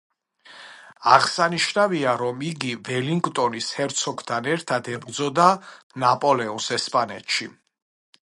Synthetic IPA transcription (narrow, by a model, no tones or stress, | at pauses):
aʁsaniʃnaviaɾɔmiɡivɛliŋɡt̪ʼɔnishɛɾt̪sʰɔɡt̪ʰanɛɾt̪ʰad̪ʰɛbɾd̪zɔd̪a | napʼɔlɛɔnsɛspʼanɛ̰t̪ʃi